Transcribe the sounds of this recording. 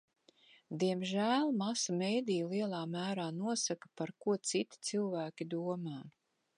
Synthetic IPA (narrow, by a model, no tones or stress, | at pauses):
d̪iɛmʒæːlˠmasamejd̪ijliɛlˠaːmæːɾaːnuɔsakḁpaɾkuɔt̪sit̪i̥t̪silˠvæːkʲid̪uɔmaː